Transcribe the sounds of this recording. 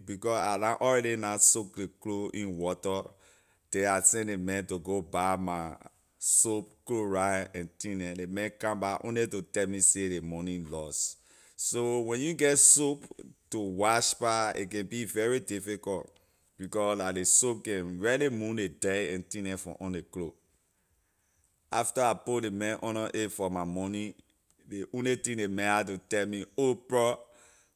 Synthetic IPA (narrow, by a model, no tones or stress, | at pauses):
bikɔsalãʔɔɹɛɾinasok̚dekloʔĩnwɔtɔ | tɛ̃asɛ̃ndemɛ̃ntoɡobama | sop̚kloɹajɛ̃ntĩnɛ̃lemɛ̃nkãmbaʔõ̰nlitotɛlmisedemɔnĩlɔs | sowɛ̃njuɡɛtsoptowaʃpaḛkɛ̃nbivɛɹidifikɔlt | b̥ikɔsladesop̚kɛ̃nɹɛlimũnledaɛ̃ntĩnɛ̃fɔ̰̃ʔɔ̃nleklo | aftaapolemɛ̃nʔɔ̃nɔʔefɔmamɔ̃nĩ | deʔõnlitĩdemɛ̃at̬utɛlmiopɹɔ